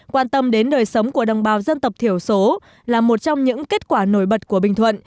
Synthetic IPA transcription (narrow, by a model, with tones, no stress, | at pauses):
kwaː˧nt̪ə˧mɗe˨˦nɗəː˨˩jsə˨˦wŋ͡mku˧˩əɗə˨˩wŋ͡mɓaː˨˦wzə˧nt̪ə˨˩wp̚t̪ʰi˧˩əwso˨˦ | laː˨˩mo˨˩t̚t͡ɕɔ˧wŋ͡mɲɨ̰˧˥ŋke˦˥t̚kwaː˧˩no˧˩jɓə˨˩t̚ku˧˩əɓï˨˩ŋ̟t̪ʰwə̰˧˨n